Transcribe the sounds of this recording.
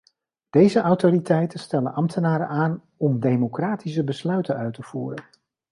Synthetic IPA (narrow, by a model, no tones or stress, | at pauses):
d̥ejzəʔɑwtoritɛjtənstɛlə̰nʔɑmtʰənaːɾə̰aːn | ɔmdejmokraːtisəbəslœɥtənœɥtəv̥uːrən